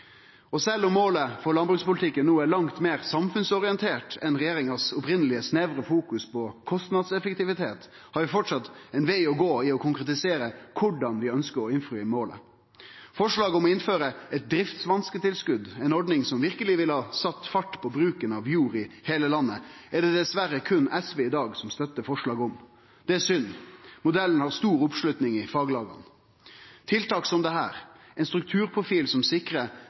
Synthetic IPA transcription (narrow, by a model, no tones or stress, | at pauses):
ɔsɛlːɔmːoːləfɔɾlɑnbɾʉːkspʊlɪt̪ʰɪkːənːuːəɭɑŋt̪meːɾsɑmfʉnsɔɾɪənt̪ʰeːʈɛnɾɛjeːɾɪŋɑsʊpɾɪnəlɪəsneːʋɾəfuːkʉspɔkʰɔst̪nɑd̪sɛfəkt̪ɪʋɪt̪ʰeːt̪ | hɑɾʋɪfɔʈʂɑt̪ɛɪnʋeɪɔɡoːɪɔkʰʊŋkɾɛt̪ɪseːɾəkʰʊɖɑnʋɪœnskəɾɔɪnfɾʉɪmoːlə̰ | fɔʂɭɑːɡɔmɔɪnføːɾəɛt̪̚d̪ɾɪft̪sʋɑnskət̪ɪlskʉd̪ɛɪnɔɖnɪŋsɔmʋɪʁkəlɪʋɪlhɑːsɑt̪ːfɑʈːpʰɔbɾʉːkənɑʋjuːɾɪheːləlɑnːəɛɖɛd̪ɛsʋæɾəkʰʉnɛsʋeːɪd̪ɑːɡsɔmst̪œt̪ːəfɔʂɭɑːɡɔm | d̪ɛæsʏnːmʊd̪ɛlːən̩hɑʁst̪uːɾʊpʂlʉt̪nɪŋɪfɑːɡlɑːɡɑ̰n | t̪ʰɪlt̪ɑːksɔmd̪ɛɦæːɾ | ɛnst̪ɾʉk̚t̪ʰʉːɾpʰʁʊfiːlsɔmsɪkɾə